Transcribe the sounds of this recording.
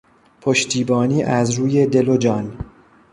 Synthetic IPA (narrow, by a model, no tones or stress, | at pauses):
pʰoʃt̪ʰiːbɒːniːʔæzɾuːje̞d̪elod͡ʒɒːn